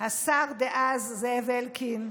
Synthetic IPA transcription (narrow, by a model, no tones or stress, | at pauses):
hasaʁd̪eʔazːevelkʰin